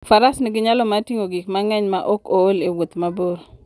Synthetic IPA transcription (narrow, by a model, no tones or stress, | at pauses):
faɾasnɪɡɪɲalɔmatiŋoɡɪkmaŋɛɲmaʔokoːlewot̪maboɾo